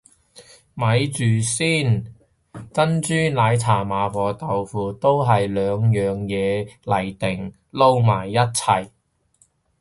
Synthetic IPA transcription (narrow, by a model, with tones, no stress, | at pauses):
mɐ˨˧˥jt͡ʃyː˨˩siː˥˩n | t͡sɐ˥nt͡ʃyː˥laː˨˧jt͡sʰaː˨˩maː˨˧fɔː˨˧t̪ɐ˨˩wfuː˨˧t̪o˥wɦɐ˨jlœː˨˧ŋjœː˨˧ŋjɛː˨˧lɐ˨˩jt̪ɪ˨˩ŋ | lo˥wmaː˨˩jːɐ˥t̚t͡sʰɐ˧j